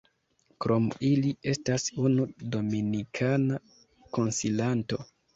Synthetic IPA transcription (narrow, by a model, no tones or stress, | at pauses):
kɾʔo̞milie̞stasunudo̞minikʰana | ko̞nsilanto̞̰